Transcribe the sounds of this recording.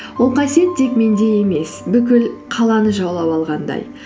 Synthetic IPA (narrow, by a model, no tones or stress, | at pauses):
wolˠqʰɑsije̞t̪̚d̪e̞kme̞nd̪e̞je̞me̞sbʏkʲɪlqʰɑlˠɑnəʒɑwlˠɑpɑlˠʁɑnd̪ɑ̰j